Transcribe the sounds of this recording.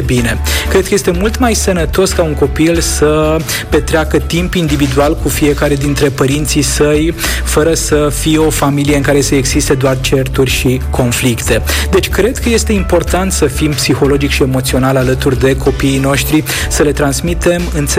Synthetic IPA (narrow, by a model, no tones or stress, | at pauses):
bine̞kɾed̪kəje̞st̪e̞mult̪majsənət̪o̞skauŋko̞pilsə | pe̞t̪ɾeakət̪impind̪ivid̪ualkufije̞kaɾe̞d̪int̪ɾe̞pəɾint̪sisəj | fəɾəsəfijeo̞familie̞ɨŋkaɾe̞səeɡzist̪e̞d̪oart͡ʃe̞rt̪urʲʃikʰo̞nflikt̪e̞d̪e̞t͡ʃʲkɾe̞d̪kʰəje̞st̪e̞impo̞rt̪ant̪səfimpsixo̞lo̞d͡ʒikʃie̞mo̞t̪sio̞nalalət̪urʲd̪e̞kʰo̞piːno̞ʃt̪ɾi | səle̞t̪ɾansmit̪e̞mɨnt̪s